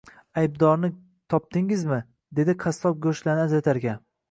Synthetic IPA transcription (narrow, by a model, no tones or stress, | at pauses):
ajb̚d̪ɒɾnɪ | t̪ʰɒp̚d̪ɪŋɪzmɪ | d̪e̞d̪ɪqʰast̪ɒp̚ɡɵʃlanɪazɾat̪ʰaɾɡʲa